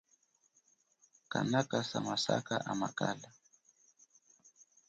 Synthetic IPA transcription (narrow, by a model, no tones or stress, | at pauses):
kanakasamasa̰kaʔamakala